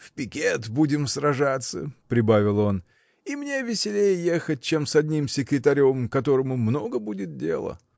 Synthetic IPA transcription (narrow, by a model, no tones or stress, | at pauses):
fpʲɪkʲet̪budʲɪmsrɐʐat̪sːə̰pɾʲɪbavʲɪlˠo̞n | imnʲe̞vʲɪsʲɪlʲejəje̞xət̚ʲt͡ɕe̞msɐdʲnʲimsʲɪkɾʲɪt̪ɐɾʲo̞mkɐt̪o̞ɾəmʊmno̞ɡəbudʲɪt̪̚dʲe̞̰lˠə̰